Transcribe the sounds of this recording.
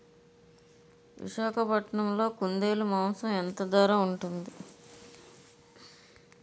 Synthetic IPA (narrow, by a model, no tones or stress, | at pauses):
ʋḭʃaːkʰɐpɐʈɳɐmlo̞ːkund̪eːlumɐːmsɐment̪ɐd̪aːɾaːuɳʈund̪i